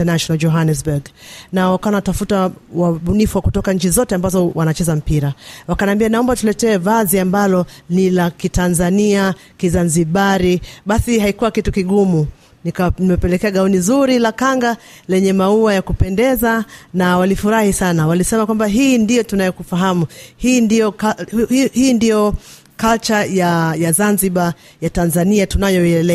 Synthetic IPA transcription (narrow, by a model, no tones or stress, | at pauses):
anaʃɔnald͡ʒɔɦanɛsbuɡnawakawanatafutawaɓunifuwakutɔkaɲ̩t͡ʃizɔtɛambazɔwanat͡ʃɛzam̩piɾawakanaambianaɔmbatulɛtɛːvaziambalɔnilakitanzaniakizanziɓaɾiɓasihaikuwakitukiɠumu | nikanimɛpɛlɛkɛaɠaunizuɾilakaŋɡa | lɛɲɛmauajakupɛndɛzanawalifuɾahisanawalisɛmakwambaɦiːndijɔtunajɔkufaɦamuhiːndijɔkahiːndijɔ | kalt͡ʃajajazanziɓa | jatanzaniatunajɔɛɛlɛ